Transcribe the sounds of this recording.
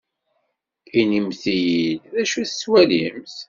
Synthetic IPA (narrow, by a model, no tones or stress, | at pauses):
inimθijilðæʃuθə̥swælimθ